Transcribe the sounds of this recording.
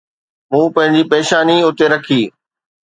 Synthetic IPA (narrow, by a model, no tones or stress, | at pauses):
mũːpɐ̃ɦɪ̃ɲd͡ʑipɛːʃaːniʊt̪eɾɐkʰiː